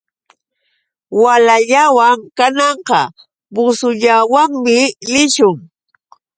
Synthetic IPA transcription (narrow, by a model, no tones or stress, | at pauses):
walaʎawaŋkanɑɴqɑ | bʊsʊʎawaŋmɪlɪʃʊŋ